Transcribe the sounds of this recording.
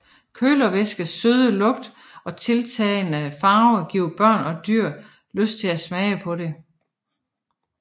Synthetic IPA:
kʰøːlɐʋesɡ̥əsøð̞ˠəlɔ̽ɡ̥d̥ | ɒ̽t͡sʰe̝lt͡sʰɛːɪnəfɑ̈ːʊɡ̥iʊ̰b̥ɶɐ̰nɒ̽d̥yɐ̰ | løsd̥̚t͡sʰe̝læsmɛɪəpʰɒ̽ɾe̝

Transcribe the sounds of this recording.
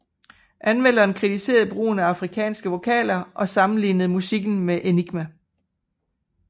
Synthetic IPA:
ʔænmel̰ɐ̥enkʰʁit͡sʰise̝̰ːɐð̩ˠb̥ʁṵːnæɑ̈fʁikʰɛ̰ːnsɡ̥əʋo̝kʰɛ̰ːlɐʔɒ̽sɑ̈mn̩lḭːnð̩ˠmusiɡ̥n̩meʔeniɡ̥mæ

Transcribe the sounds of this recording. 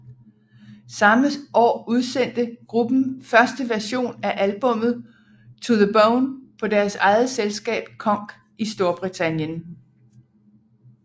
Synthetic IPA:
sɑ̈məʔɒ̰ːuð̞ˠsen̰d̥əɡ̥ʁub̥n̩fɶɐsd̥əʋæɐɕo̝̰ːnæʔælb̥ɔ̽m̰ð̩ˠ | t͡sʰoðəboʊnpʰɒ̽d̥æɐsɑ̈ɪð̩ˠselsɡ̥ɛ̰ːb̥kʰɒ̽ŋ̰ɡ̥ | isd̥o̝ɐb̥ʁit͡sʰænjən

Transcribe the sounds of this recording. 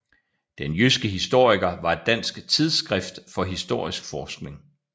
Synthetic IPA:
d̥enjysɡ̥əɦisd̥o̝ɐ̰iɡ̥ɐʋɑ̈e̝d̥ːæn̰sɡ̥t͡sʰið̞ˠsɡ̥ʁɛfd̥fɒ̽ɦisd̥o̝ɐ̰isɡ̥fɒːsɡ̥ne̝ŋ

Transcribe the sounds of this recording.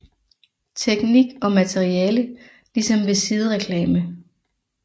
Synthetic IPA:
t͡sʰeɡ̥niɡ̥ɒ̽mæt͡sʰeʁiɛːlə | lisɒ̽mʋe̝sið̞ˠəʁɛkʰlɛːmə

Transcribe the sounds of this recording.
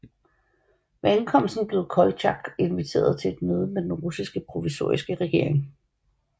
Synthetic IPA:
ʋeænkʰɒ̽m̰lsd̥n̩b̥le̝ʊkʰɒ̽lɕɑ̈ɡ̥e̝nʋit͡sʰe̝̰ːɐð̞ˠt͡sʰe̝e̝d̥møːð̞ˠəmed̥enʁusisɡ̥əpʰʁo̝ʋiso̝̰ɐ̰isɡ̥əʁɛɡ̥e̝ɐ̰eŋ

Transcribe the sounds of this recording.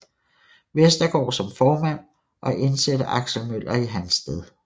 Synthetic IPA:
ʋesd̥ɐɡ̥ɒ̰ːsɒ̽mfɒːmæn̰ | ʔɒ̽ʔe̝nsed̥əʔɑ̈ɡ̥ɕl̩møl̰ɐiɦænsd̥eð̞ˠ

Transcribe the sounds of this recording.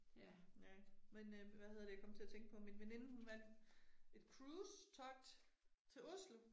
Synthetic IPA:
j | menʋæɦe̝ð̰ˠd̥ejɑ̈kɒ̽mt͡sʰe̝læt͡sʰeŋɡ̥pʰɒ̽minʋene̝nəhunʋæd̥e̝d̥kʰʁuːst͡sʰɒ̽ɡ̥̚d̥t͡sʰe̝ɔslə

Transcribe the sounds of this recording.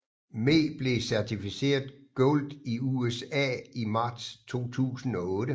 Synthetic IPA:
me̝̰ːb̥le̝sæɐt͡sʰifise̝̰ːɐðˠɡ̥ɔld̥iuesɛ̰imɑ̈ːd̥st͡sʰo̝̰ːt͡sʰṵːsn̩ɒ̽ɔ̽ːdə

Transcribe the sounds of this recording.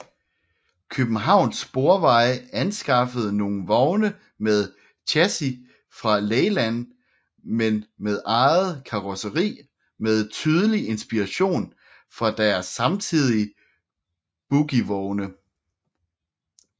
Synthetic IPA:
kʰøb̥n̩ɦɑ̈ʊ̰nsb̥o̝ɐʋɑ̈ɪænsɡ̥ɑ̈fəð̞̩ˠno̝ːn̩ʋɒʊnə | með̞ˠ | t͡ɕʰæsi | fʁɑ̈leːɪlæn̰ | menmeð̞ˠʔɑ̈ɪð̩ˠkʰɑ̈ʁosəʁḭː | með̞ˠt͡sʰyːð̞ˠəliʔe̝nsb̥iʁɑ̈ɕo̝̰ːn | fʁɑ̈d̥æɐsːɑ̈mt͡sʰið̞̰ˠiə | b̥uɡ̥iʋɒʊnə

